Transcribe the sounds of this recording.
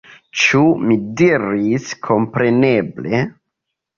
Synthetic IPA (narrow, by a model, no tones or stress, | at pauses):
t͡ʃumidiɾiskʰo̞mpɾe̞ne̞ble̞